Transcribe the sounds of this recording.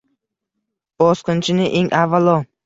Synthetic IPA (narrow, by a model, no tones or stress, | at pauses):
b̥ɒsqɨnt͡ʃʰɪnɪʔeŋʔavːalˠɒ